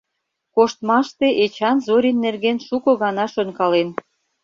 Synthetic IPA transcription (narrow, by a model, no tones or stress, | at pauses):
koʃt̪mɑʃt̪eʔet͡ɕɑnzoɾʲinːerɣenʃukɤ̆ɣɑnɑʃønkɑlen